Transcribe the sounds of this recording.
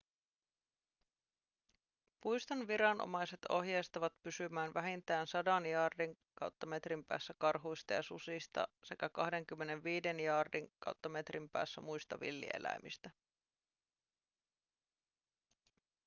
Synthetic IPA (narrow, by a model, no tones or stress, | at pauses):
pujst̪ɑnʋiɾɑnʔo̰mɑjse̞t̪o̞̰ɦjejst̪ɑʋɑt̪pysymæːnʋæɦint̪æːnsɑdɑnjɑːrdiŋkɑwt̪ːɑme̞t̪rimpæ̰ːsːækɑrɦujst̪ɑjɑsṵsist̪ɑ̰se̞kækɑhde̞ŋk̟ymːe̞ne̞nʋiːde̞njɑːrdiŋkɑ̰wt̪ːɑme̞t̪rimpæ̰ːsːæmujst̪ɑʋḭlːḭḛlʔæ̰jmist̪æ